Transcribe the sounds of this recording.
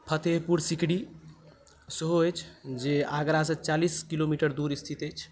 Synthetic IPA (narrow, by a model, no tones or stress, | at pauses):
pʰət̪eɦpuɾsikɽi | səɦoəjt͡ʃʰd͡ʒeaɡɾasə̃t͡ʃaliskilomiʈəɾd̪uɾist̪ʰit̪əjt͡ʃʰ